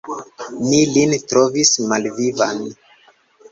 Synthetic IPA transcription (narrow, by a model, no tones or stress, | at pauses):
nilintɾovismalviva̰n